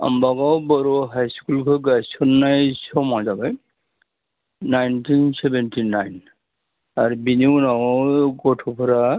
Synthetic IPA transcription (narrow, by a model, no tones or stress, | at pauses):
a̰mbaɡawbɔɾɔɦajskulkʰɔɡajsɔnːajsɔmazabaj | najntʰinsebentʰinajn | aɹbininawɡɔtʰɔpʰɔɾa